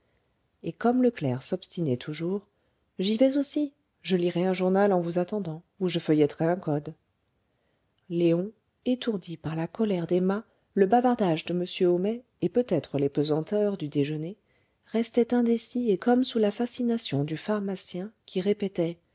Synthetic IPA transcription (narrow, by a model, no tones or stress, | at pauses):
ekɔmləklɛʁsɔpst̪inɛt̪ʰuʒuːʁ | ʒivɛzosi | ʒəliʁɛɛ̃ʒuʁnalɑ̃vuzat̪ɑ̃d̪ɑ̃ | uʒəfəjɛt̪χɛɛ̃kɔd̪ | leɔ̃ | et̪uʁd̪ipaʁlakɔlɛʁd̪ema | ləbavaʁd̪aʒd̪əməsjøomɛ | epøt̪ɛt̪χəlepøzɑ̃t̪œʁd̪yd̪eʒəne | ʁɛst̪ɛt̪ɛ̃d̪esiekɔmsulafasinasjɔ̃d̪yfaʁmasjɛ̃kʲiʁepɛt̪ɛ